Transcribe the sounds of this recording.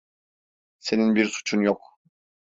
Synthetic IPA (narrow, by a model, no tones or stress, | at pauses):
se̞ninbiɾsu̥t͡ʃʰunjok